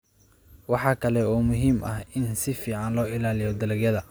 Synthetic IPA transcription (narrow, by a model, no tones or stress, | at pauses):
wɑħɑːkʰɐlɛɔːmʊɦiːmɐhɪnsɪfiːʕɑnlɔːɪlaːlɪjɔd̪ɐlɐɡjɐðɐ